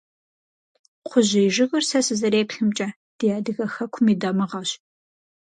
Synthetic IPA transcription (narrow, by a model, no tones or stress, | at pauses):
qʷʰʊʑɪːʒɪɣɐrsɐsɨzɐɾeːpɬɨmt͡ʃʼɐ | d̥ijaːdɨɣɐxɐkʷʰʊmiːdɐmɨʁɐɕ